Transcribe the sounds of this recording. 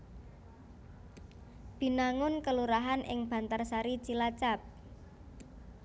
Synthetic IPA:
b̥i̤naŋʊnkəluɾaɦanʔɪ̰ŋb̥a̤nt̪arsaɾit͡ʃilat͡ʃap̚

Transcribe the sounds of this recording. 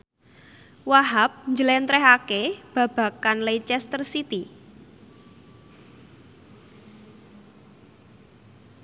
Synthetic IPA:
waɦap̚ɲd͡ʒəlɛnt̪ɾɛɦakeb̥ä̤b̥ä̤kanlejt͡ʃɛst̪ərsit̪i

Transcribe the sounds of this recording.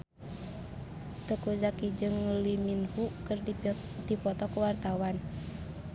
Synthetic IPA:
t̪əkud͡ʒakid͡ʒɨŋliminfukər | dipɔt̪ɔkəwart̪awan

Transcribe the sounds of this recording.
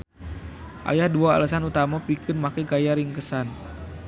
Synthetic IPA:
ʔa̰jahduaa̰lasanut̪amapikənmakɛɡajaɾiŋkəsan

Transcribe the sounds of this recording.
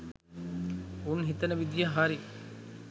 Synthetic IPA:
unɦit̪ɐnɐʋid̪jɐɦaːɾi

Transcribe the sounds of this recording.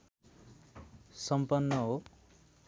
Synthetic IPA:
sʌmpʌnːʌɦo

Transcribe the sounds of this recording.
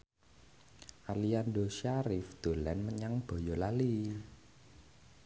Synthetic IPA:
ʔaliandoʃaɾɪfd̪̥o̤lɛnməɲaŋb̥ɔ̤jɔlali

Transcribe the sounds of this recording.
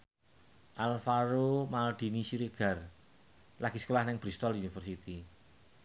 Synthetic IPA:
ʔalfaɾomald̪̥i̤nisiɾeɡ̥a̤r | laɡ̥isə̥kolahnɪŋb̥ɾist̪ɔlunifərsit̪i

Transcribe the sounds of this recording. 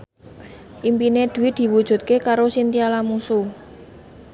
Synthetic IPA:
ʔimpined̪̥ṳwɪt̚d̪̥i̤wud̥ʒ̥ṳt̪̚kekaɾosint̪ialamusu

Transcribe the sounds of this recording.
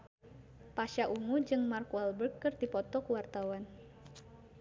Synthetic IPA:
paʃaʔuŋud͡ʒɨŋmarkɛlbərkːɨrd̪ipɔt̪ɔkuwart̪awan

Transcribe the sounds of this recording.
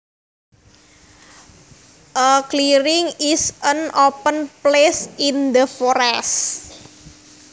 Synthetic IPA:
ʔəkliɾɪŋisʔənopənplesind̪əfɔɾɛs

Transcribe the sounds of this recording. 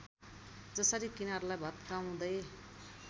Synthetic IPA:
d͡zʌsʌɾikinaɦʌɾulajbʱʌt̪kaw̃d̪ʌj

